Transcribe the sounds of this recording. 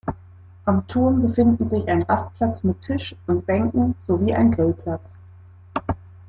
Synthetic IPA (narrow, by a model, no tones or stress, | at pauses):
ʔamtʰuːɐnbəfɪndn̩zɪçaɪnʁast̚pʰl̥at͡smɪtʰːɪʃʊnt̚b̥ɛŋkŋ̩z̥oviːʔa̰ɪnɡʁɪlpʰl̥at͡s